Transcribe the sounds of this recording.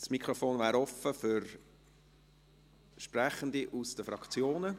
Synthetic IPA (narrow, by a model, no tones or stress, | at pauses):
smikʰɾɔfoːnvæːɾɔfəfʏɾ | ʃpræχənd̪iʔusd̥əfɾɑkt͡sjoːnə